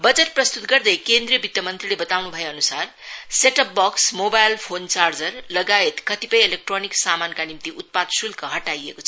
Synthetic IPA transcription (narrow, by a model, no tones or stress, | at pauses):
bʌd͡zeʈ̚prʌst̪ut̪ɡʌrd̪ʌjkend̪ɾrijʌbid̪jʌmʌnt̪rilebʌt̪awnubʱʌeʌnusar | seʈʌp̚bʌksmobajlpʰont͡sard͡zʌrlʌɡaet̪kʌt̪ipʌjelek̚ʈroniksamankanimt̪iʔut̪̚pad̪sulkʌɦʌʈajekot͡sʰʌ